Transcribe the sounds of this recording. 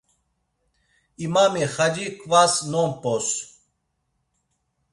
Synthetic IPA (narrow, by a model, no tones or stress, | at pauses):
imamiχad͡ʒikʼvasnɔmpʼɔs